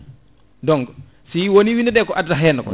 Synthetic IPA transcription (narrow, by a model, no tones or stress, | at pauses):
dɔŋɡ | siwoniwinɛdɛːkɔʔaddaɦɛnːkɔ̰